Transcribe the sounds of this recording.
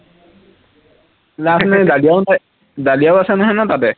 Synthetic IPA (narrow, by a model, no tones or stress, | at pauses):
lasnajdalijaʊta | dalijawasɛnaɦanatatɛ